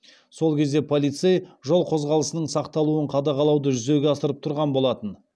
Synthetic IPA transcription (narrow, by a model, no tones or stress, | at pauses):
so̞lˠkʲʰe̞zd̪e̞pʰolˠijt̪sejʒo̞lˠqʰo̞zʁɑlˠəsənəɴsɑqt̪ɑlˠuəɴqʰɑd̪ɑqɑlˠɑwd̪əʒʏze̞ɡʲeɑsəɾəp̚t̪ʰʊɾʁɑnbo̞lˠɑt̪ən